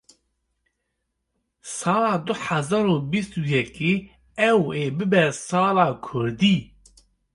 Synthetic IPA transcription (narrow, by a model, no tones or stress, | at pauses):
sɑːlɑːd̪ʊħazɑɾoːbist̪ujɛkiː | ɛweːbɨbɛsɑːlɑːkʰʊɾd̪iː